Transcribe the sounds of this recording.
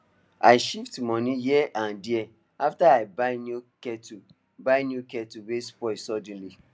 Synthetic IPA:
a̰ɪʃiftmɔ̃nijiɛʔãndiɛ | aftaaɪbaɪnukɛtu | baɪnjukɛtuwespɔɪsɔd̃n̩li

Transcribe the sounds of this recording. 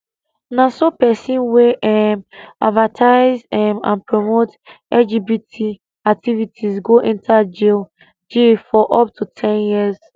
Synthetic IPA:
nãsopɛsĩnweʔɛmadvatʰaɪzɛmã̰npʰɹomot | ɛld͡ʒibitʰi | ak̚tivitʰizɡoʔɛ̃ntʰad͡ʒil | d͡ʒifɔʔɔp̚tʰutʰɛ̃njiz

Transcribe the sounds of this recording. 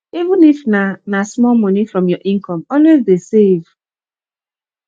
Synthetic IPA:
ivũnifnanasmɔlmɔnifɹɔ̃mjɔʔĩŋkʰɔ̃mɔlwezdesev̥

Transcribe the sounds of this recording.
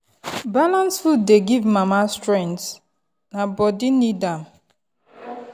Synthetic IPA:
balãnsfud̚deɡivmamastɹɛ̃nts | nabɔdinidam

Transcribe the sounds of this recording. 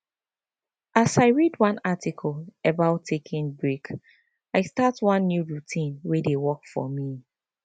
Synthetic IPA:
ʔasaɪɹidwãnatikʰɔlɛbaʊtʰːekʰĩnbɹek | aɪstatwʌ̃nːjuɹutʰĩnwedewɔkfɔ̰mi

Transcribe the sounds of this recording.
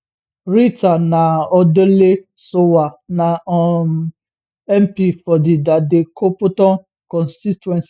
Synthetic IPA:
ɾitanaɔdele | sowanaɔ | ɛmpifɔdidadekʰopʊtɔn | kɔnstitɛns

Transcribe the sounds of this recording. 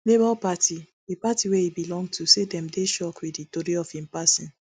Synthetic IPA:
lebalpatʰi | epatiweibilɔ̃ŋɡtʰusedɛ̃mdeʃɔkwiditoɾiɔfhĩmpasĩn

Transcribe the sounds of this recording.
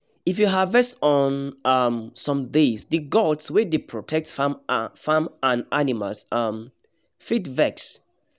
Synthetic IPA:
ifjuɦavɛstɔnʌmsɔ̃mdesdɨɡɔtswɛdepʰɹɔtʰɛk̚tsfamfãmãnanima̰lsʌm | fitvɛks

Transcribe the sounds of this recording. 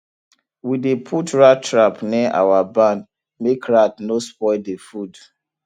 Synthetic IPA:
widepʰutɹatɹapniʔa̰wabãn | mekɹatnospɔɪdefud

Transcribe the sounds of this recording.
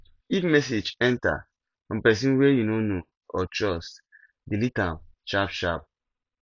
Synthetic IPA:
ifmɛsed͡ʒɛ̃nta̰ | fɔ̃mpɛs̬ĩnwɛjunono | ɔt͡ʃɔs | dilitãmʃapʃap̚

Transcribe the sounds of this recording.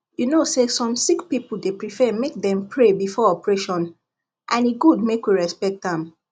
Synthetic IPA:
junosesɔ̃msikpipul̩depɹifɛmek̚dɛ̃mpʰɹebifɔɔpɹeʃɔ̃n | ʔãniɡudmekwiɹɛspɛk̚tãm

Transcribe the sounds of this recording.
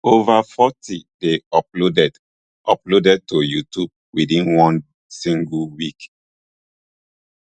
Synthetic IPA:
ovafɔtideɔplodɛd | ʔɔplodɛd̚tojutub̚widĩnwɔ̃n | sĩŋɡlwik

